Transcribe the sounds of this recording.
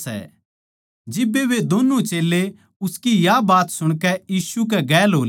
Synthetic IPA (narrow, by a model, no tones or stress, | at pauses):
ɛ̰ | d͡ʒɪbːeʋed̪onũt͡ʃeːlːe | ʊskijabaːt̪sʊɽ̃kɛjiːsuk̬ɛɡɛːlɦoːl